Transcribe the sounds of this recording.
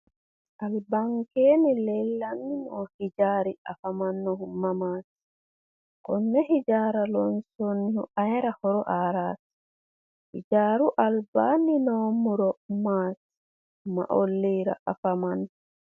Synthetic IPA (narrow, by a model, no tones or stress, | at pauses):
ʔalbaŋkenɛlɛlːanːinɔhid͡ʒaːɾiafamanːɔhumːamaːti̥ | kɔnːɛɦid͡ʒaːɾalɔnsonihuʔajɾahɔɾɔʔaɾaːti̥ | hḭd͡ʒaːɾuʔalbaninɔmuɾɔmati̥ | ma̰ʔolːiɾa̰ʔafamanː